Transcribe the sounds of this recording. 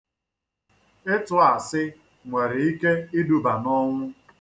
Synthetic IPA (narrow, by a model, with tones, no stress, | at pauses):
ɪ˦tʊ˨a˨sɪ˦ | ŋʷe˨ɾɪ˨i˦ke˦ɪ˦du˨ba˨nɔ˦ŋʷʊ˦